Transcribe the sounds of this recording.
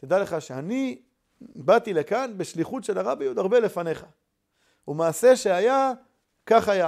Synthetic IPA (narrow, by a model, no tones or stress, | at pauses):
t̪id̪aleχaʃeani | bat̪ilekanbeʃliχutʃelaʁabejud̪aʁbe̞le̞fane̞χa | umaːse̞ʃeaja | kaχaja